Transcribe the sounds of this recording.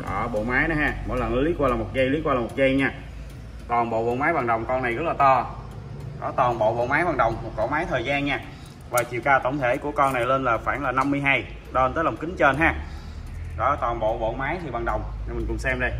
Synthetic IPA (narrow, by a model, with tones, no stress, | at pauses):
ʔəː˨˩ɓo̰˧˨maː˨˦jɗɔ˨˦ɦaː˧mo̰˨˧˩jlə˨˩nə˨˦li˨˦˥kwaː˧laː˨˩mo˨˩t̚ɣə˧jli˨˦˥kwaː˧laː˨˩mo˨˩t̚ɣə˧jɲaː˧˩ | t̪wɔː˨˩nɓo̰˧˨ɓo̰˧˨maː˨˦jɓaː˨˩ŋɗə˨˩wŋ͡mkɔ˧nːa˨˩jɣə˦˥k̚laː˨˩t̪ɔ˧ | ɗɔ̰˧˦t̪wɔː˨˩nɓo̰˧˨ɓo̰˧˨maː˨˦jɓaː˨˩ŋɗə˨˩wŋ͡mmo˨˩t̚kɔ˧˩maː˨˦jt̪ʰəː˨˩jzaː˧nɲaː˧ | vaː˨˩t͡ɕḭ˨wkaː˧t̪ə˧˩wŋ͡mt̪ʰe˧˩ku˧˩əkɔ˧na˨˩jle˧nlaː˨˩faː˧˩nlaː˨˩na˧mːɨ˧əjɦaː˧j | ɗəː˧nt̪əː˨˦lɔ˨˩wŋ͡mkï˨˦ŋ̟t͡ɕə˧nɦaː˧˩ | ɗɔ˧˦t̪wɔː˨˩nɓo̰˧˨ɓo̰˧˨maː˨˦jt̪ʰi˨˩ɓaː˨˩ŋɗə˨˩wŋ͡mɲ˨˧˩mï˨˩ŋ̟kʊ˨˩ŋ͡msɛ˧mɗə˧˩j